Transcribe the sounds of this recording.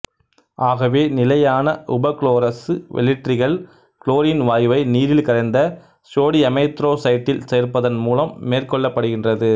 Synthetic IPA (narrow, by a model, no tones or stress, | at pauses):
ʔaːɣɐʋeːnɪlɐjaːnɐʔʊbɐkɭoːɾɐsɯʋɛ̰lɪʈrɪɣɐɭ | kɭoːɾɪnʋaːjʋɐɪniːðɪlkɐɾɐɪnd̪ɐ | soːɽiɐmɐɪt̪ɾoːsɐɪʈːɪlseːrpɐðɐnmuːlɐmːeːrkɔɭːɐpːɐɽɯɣɪndrɐðɯ